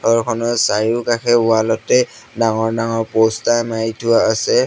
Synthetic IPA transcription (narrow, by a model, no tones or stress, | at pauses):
ɔɹkʰɔnɔsajukakʰɛʊalɔtɛ | daŋɔɹdaŋɔɹpɔstajmajtʰʊaːsɛ